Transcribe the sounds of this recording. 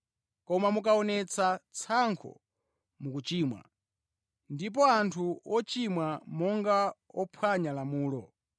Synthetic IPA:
kɔmamuk̬aɔnɛt͡sʰat͡sʰaŋkʰɔ̰ | mukut͡ʃiːmwa̰ | ndip̬ɔantʰuɔt͡ʃimwamɔŋɡaɔpʰwaɲalamuːlɔ

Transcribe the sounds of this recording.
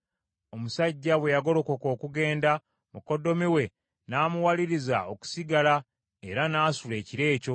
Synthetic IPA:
o̞musaɟːawe̞jaɡo̞lo̞koko̞ːkuɡe̞ːnda | muko̞do̞miwe̞ | naːmuwaliɾiza̰o̞ku̥siɡala | e̞ɾanaːsule̞ːciɾe̞ːco̞

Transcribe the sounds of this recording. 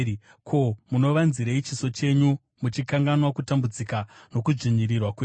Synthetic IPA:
kʰo̞muno̞ʋanziɾeit͡ʃiso̞t͡ʃe̞ɲu | mut͡ʃikaŋɡanwakutambud͡zikano̞kuʐiɲiɾirwakwe

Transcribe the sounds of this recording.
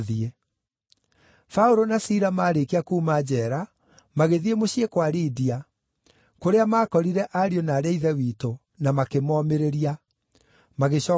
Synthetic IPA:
ðie | faoɾonasiɾamaːɾekiakuːmad͡ʑɛːɾa | maɣeðiemoɕiekwaɾidia | koɾeamaːkɔɾiɾɛʔaɾionaːɾeaiðɛwiːto | namakemɔmeɾeɾia | maɣeɕɔː

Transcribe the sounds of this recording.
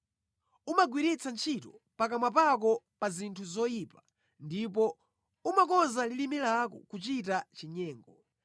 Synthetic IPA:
umaɡwiɾit͡sant͡ʃʰitɔpak̬amap̬ak̬ɔ | pazintʰuzɔjipa | ndipɔ | umakɔnzalilimilakɔ̰kut͡ʃitat͡ʃiɲɛːŋɡɔ

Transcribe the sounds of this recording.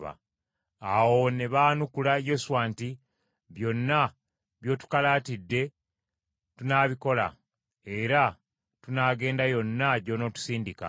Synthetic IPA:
βa̰ | awo̞ne̞βaːnukulajo̞suwaːnti | βjo̞nːa | βjo̞ːtu̥kalaːtidːe̞ | tunaːβiko̞la̰ | e̞ɾa | tunaːɡe̞ːndajo̞nːaɟo̞no̞ːtu̥siːndika̰

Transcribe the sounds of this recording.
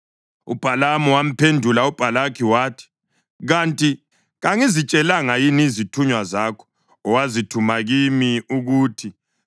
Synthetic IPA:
ṵb̥ʱalamɔwam̩pʰendʱulaub̥ʱalakʰiwaːtʰi̥ | ɣantʼi | ɣaŋizit͡ʃʼɛlaŋajinizitʰuɲwazakʰɔ̥ | ɔwazitʰumaɣimiuɣuːtʰi

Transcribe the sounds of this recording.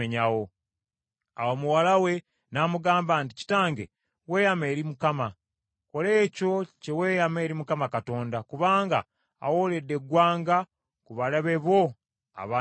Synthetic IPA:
eɲawo̞ | awomuwalawe̞ | namuɡaːmbanti̥ci̥taːŋɡe | we̞ːjame̞ːɾimukama | ko̞le̞ːco̞ce̞weːjame̞ːɾimukamakato̞ːndakuβaːŋɡa̰ː | wole̞dːe̞ɡwaːŋɡa | kuβalaβe̞βo̞ | a̰βaː

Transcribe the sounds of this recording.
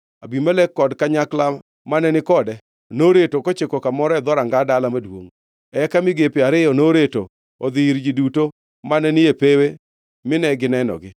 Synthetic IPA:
abimalɛkːɔdkaɲakla | manɛnɪkɔdɛ | noɾetokot͡ʃekɔkamɔɾɛd̪ɔɾaŋɡadalamadwo̰ŋ | ɛkamɪɡepɪaɾɪjɔnoɾeto | od̪ɪɾd͡ʒiduto | manɛnɪepewe | mɪnɛɡɪnɛnɔ̰ɡɪ

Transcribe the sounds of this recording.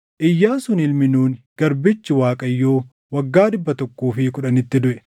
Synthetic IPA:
ʔɪjːaːsʊnɪlmɪnuːnɡ̥ɐɾbɪt͡ʃːɪwaːkʼɐjːo̞ː | wɐɡːaːd̪ɪbːɐt̪ɔkːuːfɪkʊᶑɐnɪt̪ːɪd̪ʊʔɛ̥

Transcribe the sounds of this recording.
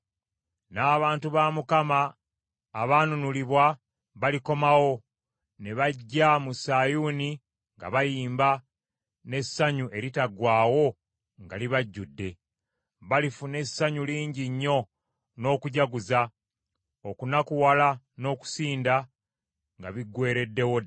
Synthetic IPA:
naːβaːntuβamukamaː | βaːnunuliβwa | βaliko̞mawo̞ | ne̞βaɟːamusajuːni | ŋɡa̰βajiːmba | ne̞sːaɲuʔe̞ɾitaɡwaːwo̞ | ŋɡaliβaɟːudːe̞ | βalifune̞saɲuliːɲɟiɲːo̞ | no̞ːkuɟaɡuza | okunakuwala | no̞ːku̥siːnda | ŋɡaβiɡwe̞ːɾe̞dːe̞wo

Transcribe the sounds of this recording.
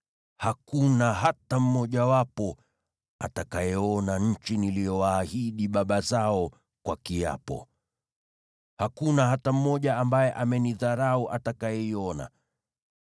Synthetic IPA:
hakunaɦatam̩mɔʄawapɔ | a̰takajɛɔnaɲ̩t͡ʃiniliɔwaːhiɗiɓaɓazaɔ | kwakia̰pɔ̰ | hakunaɦatam̩mɔʄaambajɛʔamɛniðaɾauʔatakajɛiɔna̰

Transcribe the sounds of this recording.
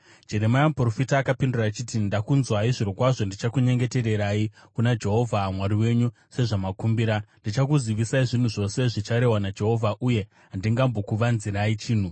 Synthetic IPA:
d͡ʒe̞ɾe̞majamupro̞fitaːkapinduraːt͡ʃitindakunzwaiʐiɾokwaʐo̞ndit͡ʃakuɲe̞ŋɡe̞te̞ɾe̞ɾai | kunad͡ʒe̞ɦo̞vʱamwaɾiwe̞ɲu | se̞ʐamakumbiɾandit͡ʃakuziʋisaiʐin̤uʐo̞se̞ʐit͡ʃaɾe̞ɦwanad͡ʒe̞ɦo̞vʱaʔuje̞ | ɦandiŋɡambo̞kuʋanziɾait͡ʃiːn̤u

